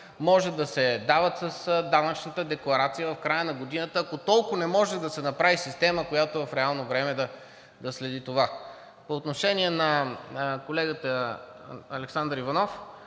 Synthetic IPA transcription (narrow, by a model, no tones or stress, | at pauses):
mɔʒɛd̪ɐsɛd̪avət̪səsd̪anɐt͡ʃnət̪əd̪ɛklˠɐɾat̪sijəvɐfkɾajənɐɡod̪inət̪əːkot̪ɔlˠkʊnɛmɔʒɛd̪ɐsɛnɐpɾavisist̪ɛməkojat̪ovɐfɾɛalˠnovɾɛmɛd̪ɐ | d̪ɐslɛd̪it̪ova | poːt̪noʃɛniɛnɐ | kolɛɡət̪ə | ɐlɛksand̪ɾivɐnɔf